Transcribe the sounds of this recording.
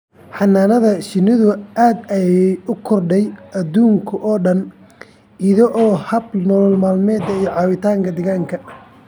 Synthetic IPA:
ħɑnaːnɐðɐʃɪnɪðʊʔaːd̪ɛjɛʊkʰɔrɖɛjɐd̪uːŋkʰʊʔɔːɖɐn | iðɐʔɔːhɐbnɔlɔlmaːlmɛːd̪ɐijɞʕɑːwɪt̪ʰaːŋkʰɐd̪ɛɣaːŋkʰɐ

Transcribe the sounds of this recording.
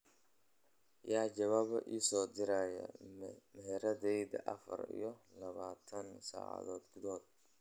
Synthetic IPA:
jaːd͡ʒɐβaːβɐ̰ʔiːsɔːd̪ɪɾaːjɐ̰mɛɾɐðɛjdɐ̰ʔɐfɐ̰rḭjɞlɐβaːt̪ʰɐnsa̰ːʕɑ̰ðɔːd̪ɡʊðɔːd̪̚

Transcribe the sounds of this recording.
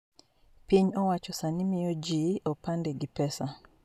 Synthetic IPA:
piɲɔwat͡ʃɔsanimɪjod͡ʒiɔpandeɡipɛsa

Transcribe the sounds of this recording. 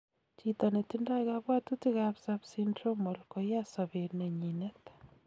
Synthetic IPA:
t͡ʃit̪anetindaɣaβwatutiɣaβsaβsindɾomolkojasaβeɾneɲinetḁ

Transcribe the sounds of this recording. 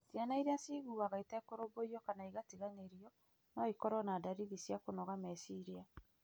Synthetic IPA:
sianaiɾeasiɣuaɣaitaɛkoɾoboiɔkanaiɣatiɣaɲeɾiɔ | naikɔɾɔnadaɾiðisjakonɔɣamɛsiɾia

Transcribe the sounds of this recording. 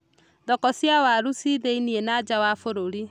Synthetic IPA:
dɔkɔsjawaɾusiðeinienad͡ʒawafoɾoɾi

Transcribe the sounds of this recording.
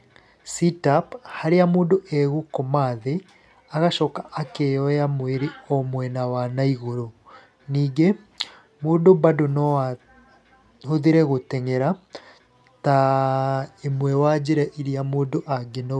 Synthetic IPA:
sitaphaɾeamoːndoʔɛɣokomaðe | aɣaʃɔkaʔːkejɔjamweɾeɔmwɛnawanaiɣoɾo | niːɡe | moːndobadonɔa | hoðiɾɛɣotɛŋɛɾa | ta | emwɛwad͡ʑeɾɛʔiɾiamoːndoʔaɡeno

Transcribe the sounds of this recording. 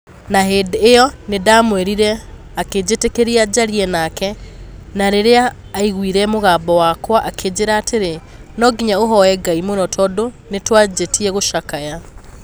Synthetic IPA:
naɦeːdeːjɔnedaːmwɛɾiɾɛ | aked͡ʑetekeɾiad͡ʑaɾiɛnakɛnaɾeɾeaː | iɣwiɾɛmoɣaːbɔwaːkwaʔakʰeːd͡ʑeɾaːteɾe | nɔɡiɲaoɦɔɛɡaimonɔtʰɔdo | netwad͡ʑetiɛɣoʃakaja

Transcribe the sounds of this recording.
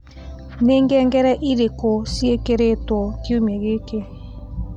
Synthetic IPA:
neːŋɡɛŋɡɛɾɛʔiɾekosiekeɾetwɔkiumɛɣekeɾ

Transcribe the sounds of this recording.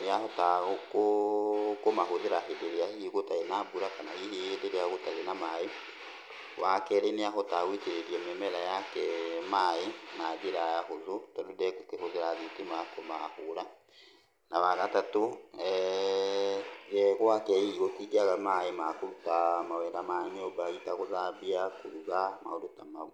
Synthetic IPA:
neahotaɣoko | komaɦoðeɾaɦedeɾeahiɣotaenabuɾakanahiheedeɾeaɣotaɾenamae | wʔakɛɾeneaɦotaɣwit͡ʃeɾeɾiɛmɛmɛɾajakɛmaenaðeɾajaɦoðotadudɛkokehoðeɾaðitemakomahoːɾa | nawaɣatatoɛ | ɣɛɣwakɛiɣotiɡeaɣamaemakoɾutamawɛdamaɲobaitaɣoðabiakoɾuɣama̰oɾotamau

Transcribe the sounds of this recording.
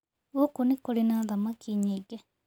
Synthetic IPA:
ukunikolinaðamakiɲiɡe

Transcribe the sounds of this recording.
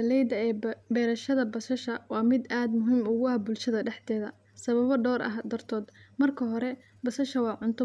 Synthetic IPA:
ɐlɛjd̪ɐɛːbɛːɾɐʃɐðɐbɐsɐʃɐwɑːmɪd̪aːd̪mʊɦiːmʊɣʊɐbʊlʃɐðɐɖɛħt̪ɛːðɐ | sɐβɐβɔɖɔːɾʔɐ̰ɦd̪ɐrt̪ʰɔːd̪mɐrkʰɐɦɔɾɛ | bɐsɐʃɐwɑːʕʊnt̪ʰʊ

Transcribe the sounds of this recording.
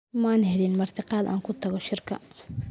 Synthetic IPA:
maːnhɛlinmɐrt̪ʰɪqɑːd̪a̰ːŋkʰʊt̪ʰɐɣɔʃɪrkʰɐ̰

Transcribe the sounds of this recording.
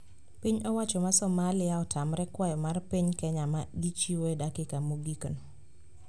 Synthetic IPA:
piɲɔwat͡ʃɔmasɔmalɪaɔtʰamɾɛkwajɔmarpiɲkɛɲamaɡit͡ʃiwedakɪkamoɡikn

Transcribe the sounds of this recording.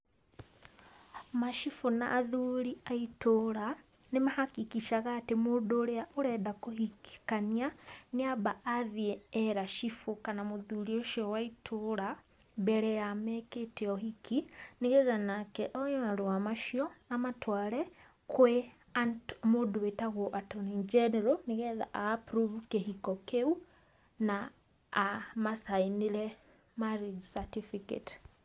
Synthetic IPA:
maʃifona̰ʔːðuɾiaitoɾa | nemahakikiʃaɣaːtemoːdoɾeaʔoɾɛdakohiki̥kanianiabaaðiɛːɾaʃifokanamoðuɾioʃiɔwaitʰoɾa | bɛɾɛjamɛketɛɔhikʰiniɣɛðanakɛʔɔjɔaɾewamaʃiɔamatwaɾɛ | kwe | amoduwetaɣɔʔatɔnind͡ʒɛnɛɾoniɣɛða̰ʔapɾuvukehikɔkeu | naː | masainiɾɛ | maɾed͡ʒsatifikḛt

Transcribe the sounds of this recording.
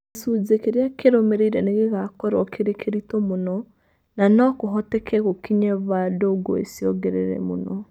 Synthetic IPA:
suzekeɾeakeɾomeɾeiɾɛneɣeɣakɔɾɔkʰeɾekʰeɾitomonɔ | nanɔkoɦɔtɛkʰɛɣokiɲɛβadoɡɔ̰ḛsjɔɣɛɾḛɾɛ̰mo̰nɔ

